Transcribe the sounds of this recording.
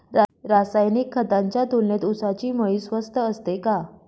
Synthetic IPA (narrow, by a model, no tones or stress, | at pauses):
ɾaɾasajnikʰːət̪aɲt͡ɕjat̪olnet̪usat͡ɕiːməɭisʋəst̪əəst̪eka